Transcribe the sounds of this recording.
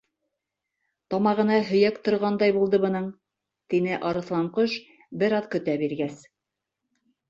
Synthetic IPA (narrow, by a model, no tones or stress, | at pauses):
t̪ɑmɑʁɤ̆nɑɦɵ̆jækt̪ŏɾʁɑnd̪ɑjbulˠd̪ɤβɤ̆nɤɴ | t̪inɘʔɑɾɤ̆θlˠɑmqoʃ | bɘɾɑðkɵ̆t̪æbiɾɡæs